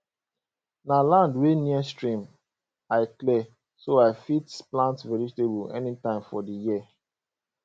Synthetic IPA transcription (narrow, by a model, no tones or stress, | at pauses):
nalãndweniəstɹĩm | aɪklɛ | soaɪfitsplãntsvɛɹistebuɛ̰nitãɪ̃mfɔdijiə